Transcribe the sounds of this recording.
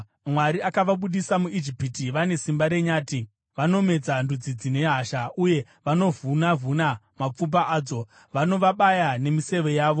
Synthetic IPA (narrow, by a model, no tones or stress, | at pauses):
mwaɾiakaʋaɓuɗisamuid͡ʒipitiʋane̞simbaɾe̞ɲaːti | ʋano̞me̞d͡zandud͡zid͡zine̞ɦaʃauje̞ | ʋano̞vunavuna | map͡fubaʔaːd͡zo̞ | ʋano̞ʋaɓajane̞mise̞ʋe̞jaːʋo̞